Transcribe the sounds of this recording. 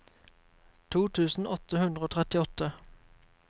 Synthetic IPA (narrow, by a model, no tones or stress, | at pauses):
t̪ʰuːt̪ʰʉːsn̩ɔt̪əhʉnd̪ʁəoːt̪ʰʁɛt̪ɪɔt̪ə